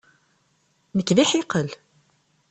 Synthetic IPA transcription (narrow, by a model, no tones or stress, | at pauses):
nəkːðiħiqəl